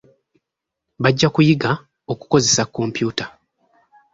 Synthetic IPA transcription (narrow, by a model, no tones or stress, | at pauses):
βaɟːakujiɡa | o̞ku̥ko̞ze̞sakːo̞mpjuːta